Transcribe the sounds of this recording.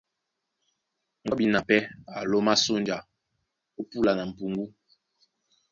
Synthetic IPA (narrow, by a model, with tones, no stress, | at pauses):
ŋ̩ɔ˦bi˦na˨pɛ˦a̰˨lo˦ma˦so˦nd͡ʒa˨ | o˦pu˦la˨na˨m̩˨pu˨ŋɡu˦